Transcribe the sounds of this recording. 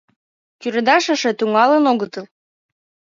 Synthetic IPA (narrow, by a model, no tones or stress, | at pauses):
kyɾed̪ɑʃə̆ʃĕt̪yŋɑlənoɣət̪ɤl